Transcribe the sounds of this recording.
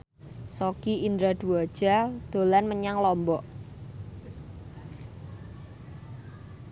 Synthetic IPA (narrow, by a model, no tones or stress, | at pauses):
sokiind̪ɾad̪̥ṳɔd̥ʒ̥a̤d̪̥o̤lanməɲaŋlɔmbɔʔ